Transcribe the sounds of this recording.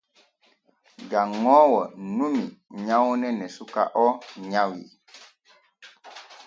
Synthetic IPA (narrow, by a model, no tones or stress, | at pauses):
ɡaŋɔwɔnumiɲawunɛnɛsuka̰ʔɔɲawḭ